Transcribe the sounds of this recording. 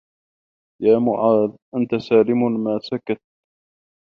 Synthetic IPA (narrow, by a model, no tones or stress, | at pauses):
jaːmʊʕaːd̪ʔant̪asaːlɪmmaːsakat̪̚